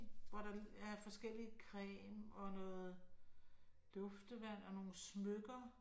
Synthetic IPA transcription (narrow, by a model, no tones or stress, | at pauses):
ʋɒɾɑ̈æɐfɒ̽sɡ̥el̰ikʰʁɛ̰ːmɒ̽nɔ̽ːð̩ˠ | l̥ɔ̽fd̥əʋæn̰ɒ̽no̝ːn̩smøɡ̥ɐ